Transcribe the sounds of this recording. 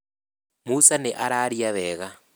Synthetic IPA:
musanɛʔaɾaːɾijaβɛːɣa

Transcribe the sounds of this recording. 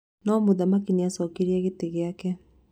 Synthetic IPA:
nɔmoðamakineasɔːkeɾiaɣeteɣeakɛ

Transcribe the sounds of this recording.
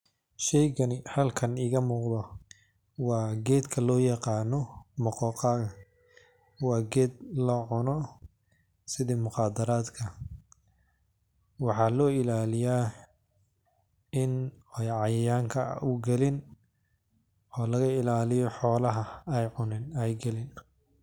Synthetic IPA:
ʃɛjɣɐnɪhɐlkʰɐnɪːɣɐmuːqd̪ɔ | wɑːɡɛːd̪kʰɐlɔːjɑqɑːnɔmʊqɔːqɑːɣɐ | wɑːɡɛːd̪lɔːʕʊnɔ | sɪðimʊχɑːd̪ɐɾaːd̪kʰɐ | wɑħɑlɔːɪlaːlɪjaː | ɪnɛjʕɑjɐjaːŋkʰɐʊɡɛlɪn | ɔːlɐɣɐɪlaːlɪjɔħɔːlɐɦɐɛjʕʊnɪnɛjɡɐlɪn

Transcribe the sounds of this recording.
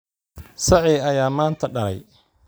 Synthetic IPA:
sɑʕiːɐjaːmaːnt̪ʰɐɖɐlɛ̰j

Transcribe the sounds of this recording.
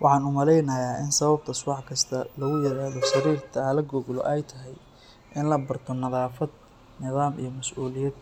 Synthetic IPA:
wɑħɑːnʊmɐlɛjnɐjaːʔɪnsɐβɐb̚t̪ʰɐsʊwɑħkʰɐst̪ʰɐlɐɣʊjɪɾaːðɔʃɐɾiːrt̪ʰɐlɐɡɔɡlɔ̰ʔɛjt̪ʰɐɦɛj | ʔɪnlɐbɐrt̪ʰɔnɐðaːfɐd̪̚ | nɪðaːmḭjɞmɐsʔuːlɪjɛd̪̚

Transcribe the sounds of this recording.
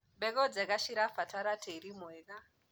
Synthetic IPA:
bekɔd͡zekaʃiɾafataɾatʰeiɾimoeka

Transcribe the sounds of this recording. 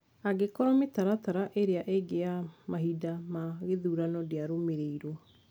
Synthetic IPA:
aɡekɔɾɔmetaɾataɾaʔeɾeaʔeɡeamaɦidamaɣeðuːɾanɔdeaɾomeɾeiɾɔ

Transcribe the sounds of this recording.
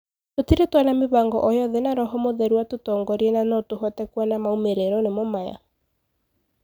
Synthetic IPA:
totiɾetwanameβaŋɡɔ̰ʔɔjɔðenaɾɔɦɔmoðɛɾuatotɔŋɡɔɾiɛnanɔtoɦɔtɛkwanamaumeɾeɾɔnemomaja̰

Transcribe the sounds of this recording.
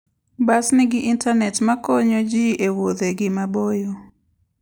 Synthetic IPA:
basnɪɡɪʔintʰanɛtmakoɲod͡ʒiʔewod̪eɡɪmabojo

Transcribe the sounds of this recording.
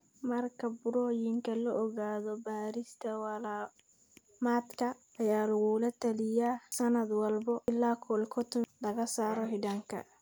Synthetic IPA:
mɐrkʰɐbʊɾɔjɪŋkʰɐlɔʔɔɣaːðɔbaːɾɪst̪ʰɐwɐlaː | maːd̪kʰɐː | jaːlɐɣulɐt̪ʰɐlɪjaːsɐnɐd̪wɐlbɔɪlːaːkʰɔlkʰɔt̪ʰʊlɐɣɐsaːɾɔɦɪdaːŋkʰɐ̰

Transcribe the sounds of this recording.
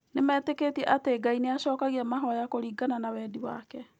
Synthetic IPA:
nemɛːteketiɛʔateːɡaineaɕɔːkaɣiɛmaɦɔjakoɾiːɡananawɛːdiwa̰kɛ

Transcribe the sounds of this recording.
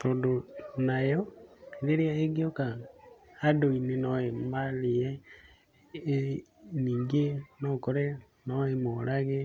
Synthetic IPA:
t̪oːndonajɔeɾeɾeaeɡioka | adoinenɔemaliɛ | niːŋɡenɔkɔɾɛ | nɔemolaɣe

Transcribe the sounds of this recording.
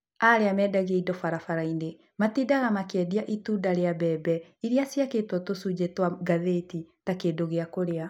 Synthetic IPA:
aɾeamɛːdaɣeidɔfaɾafaɾaine | matidaɣamakeɛdiaʔituːdaɾeabɛbɛiɾeasijaketwɔtosud͡ʑetwaɡaðetitakedoɣeakoɾea

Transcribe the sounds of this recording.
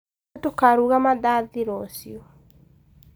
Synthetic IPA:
tokaɾuːɣamaðaːðiɾɔsio

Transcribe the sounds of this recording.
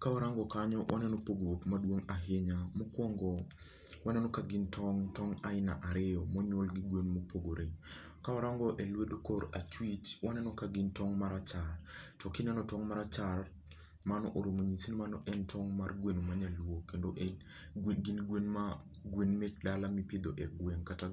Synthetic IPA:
kawaɾaŋɡɔkaɲɔwʔa̰nɛnɔpoɡowokmadwoŋaɦɪɲamokwɔŋɡɔ | wanɛnɔkaɡɪntʰɔŋtɔŋaɪna̰ʔaɾɪjɔmɔɲwɔlɡɪɡwenmopoɡoɾʔe | kawaɾaŋɡɔʔelwedokoɾat͡ʃwit͡ʃwanɛnɔkaɡɪntɔŋmaɾat͡ʃartɔkɪnɛnɔtɔŋmaɾat͡ʃar | manɔʔoɾomoɲisinmanɔʔɛntʰɔŋmarɡwenomaɲalwokendoʔ | ɡinɡwenma | ɡwenmek̚dalamipɪd̪oʔɛɡweŋkata

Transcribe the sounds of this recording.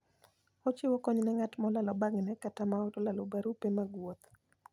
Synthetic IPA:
ɔt͡ʃɪwɔkɔɲnɛŋatmɔlalɔbaɡnɛkatamaɔtɔlalɔbaɾupemaɡwot̪

